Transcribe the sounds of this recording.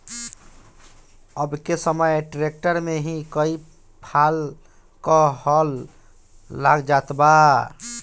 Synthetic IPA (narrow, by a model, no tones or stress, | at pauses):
əbkesəməeʈɾek̚ʈəɾmeɦĩkəi | pʰal | kəɦəlː | aɡd͡ʒat̪ba